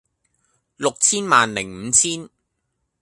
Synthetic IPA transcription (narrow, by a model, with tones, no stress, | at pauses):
lʊ˨k̚t͡sʰiː˥nmaː˨nlɪ˨˩ŋm̩ː˨˧˦t͡sʰiː˥n